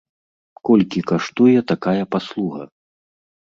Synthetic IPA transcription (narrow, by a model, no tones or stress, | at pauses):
kɔlʲkʲikaʂt̪ujɛt̪akajɐpaslˠuɣɐ̰